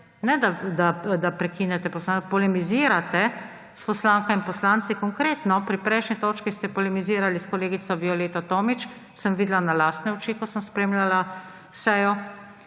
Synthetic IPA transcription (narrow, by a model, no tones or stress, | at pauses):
nɛd̪ad̪ad̪apɾɛkiːnɛt̪ɛpɔslanpɔlɛmiziːɾat̪ɛ | spɔslaːŋkainpɔslaːnt̪sikɔŋkɾeːt̪nɔpɾipɾɛjʃnit̪oːt͡ʃkist̪ɛpɔlɛmiziːɾaliskɔleːɡit̪sɔbiɔleːt̪at̪oːmit͡ʃ | səmʋiːd̪lanalaːst̪nɛɔt͡ʃiːkɔsəmspɾeːmlʲala | sɛjɔ